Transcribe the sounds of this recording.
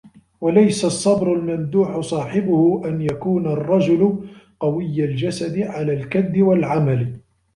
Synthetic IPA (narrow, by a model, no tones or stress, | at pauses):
walajsasˤːɑbɾʊlmand̪uːħʊsˤɑːħɪbʊhʊʔanjakuːnarˤːɑd͡ʒʊlʊqɑwɪjːald͡ʒasad̪ɪʕalaːlkad̪ːɪwalʕamal